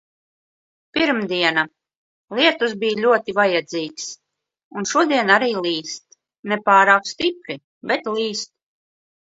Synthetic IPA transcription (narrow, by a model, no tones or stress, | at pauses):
piɾmd̪iɛna | lˠiɛt̪usbijlʲuɔt̪ivajɛd̪ziːks | unʃuɔd̪iɛnaɾiːlˠiːst̪ | nɛpaːɾaːkst̪ipɾi | bɛt̪liːst̪̚